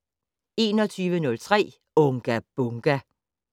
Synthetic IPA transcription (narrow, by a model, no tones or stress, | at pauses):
e̝ːnɒ̽t͡sʰyːʋənɔ̽lt͡sʰʁɛ̰ː | ɔ̽ŋɡ̥æb̥ɔŋɡ̥æ